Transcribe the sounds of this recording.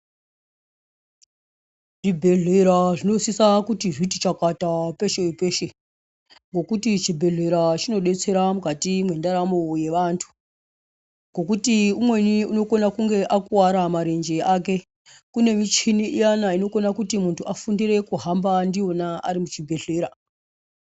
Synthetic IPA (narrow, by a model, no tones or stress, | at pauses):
ʐibʱe̞ɮe̞ɾaʐino̞sisakutiʐitit͡ʃakatape̞ʃeipeːʃe | ŋɡo̞kutit͡ʃibʱe̞ɮe̞ɾat͡ʃino̞ɗe̞t͡se̞ɾamukatimwe̞ndaɾamoje̞ʋantʰu̥ | ŋɡo̞kutiumwe̞niuno̞ko̞nakuŋɡe̞ʔakuwaɾamaɾend͡ʒeaːk̬e̞ | kune̞mit͡ʃiniʔijanaino̞ko̞nakutimuntʰuʔafundire̞kuɦambandio̞naaɾimut͡ʃibʱe̞ɮe̞ːɾa